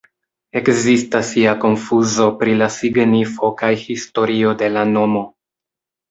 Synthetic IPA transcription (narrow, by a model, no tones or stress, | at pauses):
e̞kzistasiako̞nfuzo̞pɾilasiɡnifo̞kajhisto̞ɾio̞de̞lano̞mo̞